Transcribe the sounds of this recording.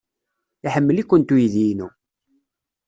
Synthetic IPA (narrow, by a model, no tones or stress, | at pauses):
iħəmːəlikʷːənt̪ujiðinu